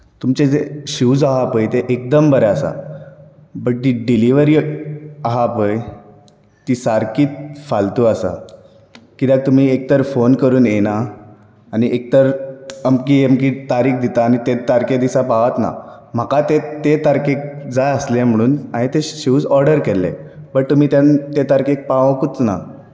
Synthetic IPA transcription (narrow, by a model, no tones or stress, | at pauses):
t̪umt͡ɕed͡zeɕuːd͡zaɦapəjt̪eʔek̚d̪əmbəɾɛəsa̰ | bəʈ̚ːiɖiliʋəɾiːaɦapəj | t̪isaɾkiːt̪̚falt̪uəsa̰ | kid̪ak̚t̪um̤iːek̚t̪əɾfonkəɾuːnenaː | niʔek̚t̪əɾəmkiemkit̪aɾiːkd̪it̪aːñit̪et̪aɾked̪isapaʋat̪na̰ | m̤akat̪et̪et̪aɾkek̚d͡zajəslem̤əɽ̃uːnaɦẽt̪eɕiud͡zɔɾɖəɾkelːḛbəʈ̚t̪um̤iːt̪jant̪et̪aɾkek̚paʋkut͡sna̰